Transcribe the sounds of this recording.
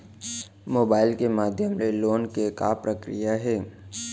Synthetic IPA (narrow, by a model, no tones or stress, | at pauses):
moːbaːɪlkemaːd̪ʱjəmleloːnkekaːpɾəkɾḭjaɦɛː